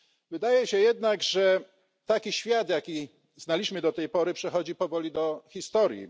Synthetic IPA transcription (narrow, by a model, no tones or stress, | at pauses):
vɘd̪ajɛɕɛjɛd̪naɡʐɛ | t̪akʲiɕfʲjad̪jakʲi | znalʲiɕmɘd̪ɔt̪ɛjpɔɾɘpʂɛxɔd͡ʑipɔvɔlʲid̪ɔxʲist̪ɔɾjḭ